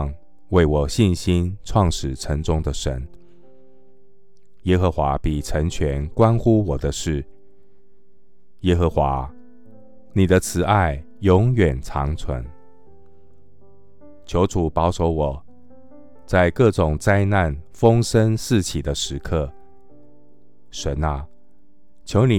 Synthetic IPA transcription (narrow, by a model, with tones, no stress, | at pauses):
ŋ | we˥˩ɪwɔ˨˩ɕi˥˨nɕi˦nʈ͡ʂʰwɑ˥˩ŋʂɻ̩˨˩ʈ͡ʂʰə˧˦˥ŋʈ͡ʂʊ˥ŋd̪ə˨ʂə̰˧˥n | jɛ˥xɤ˧˥xwa˧˥pi˨˩ʈ͡ʂʰə˧˥ŋt͡ɕʰɥɛ˧˥nkwa˥nxu˥˦wɔ˨˩d̪ə˦ʂɻ̩˥˩ | jɛ˥xə˧˥xwa˧˥˦ | ni˨˩d̪ə˦t͡sʰɹ̩˨˩a˥˩ɪ | jʊ˧˥ŋɥɛ˨˩nt͡sʰɑ̰˧˥ŋt͡sʰwə̰˧˦˥n | t͡ɕʰjo˧˥ʊt͡sʰu˨˩pɑ˧˥ʊʂo˧˥ʊwɔ˨˩ | t͡sa˥˧ɪkɤ˥˩ʈ͡ʂʊ˨˩ŋt͡sa˥ɪna˥˨nfɤ˥ŋʂə˥nsɹ̩˥˩t͡ɕʰi˨˩d̪ə˦ʂɻ̩˧˥kʰɤ˥˩ | ʂə˧˥nə˧ | t͡ɕʰjo˧˥ʊni˨